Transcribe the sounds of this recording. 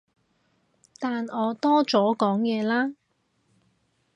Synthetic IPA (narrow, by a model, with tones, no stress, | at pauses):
t̪aː˨nɔː˨˧t̪ɔː˥t͡sɔː˨˥kɔː˨˥ŋjɛː˨˧laː˥